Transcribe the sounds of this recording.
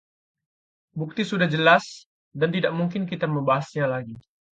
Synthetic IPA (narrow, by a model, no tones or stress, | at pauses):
buk̚t̪isudahd͡ʒəlas | dant̪idaʔ̚muŋkɪnkit̪aməmbaɦasɲalaɡi